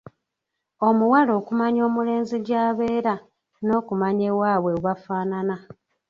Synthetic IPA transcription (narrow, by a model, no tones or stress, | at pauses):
o̞muwalo̞ːkumaɲo̞ːmule̞ːnziɟaːβe̞ːɾa | no̞ːkumaɲewaːβwe̞wafaːnana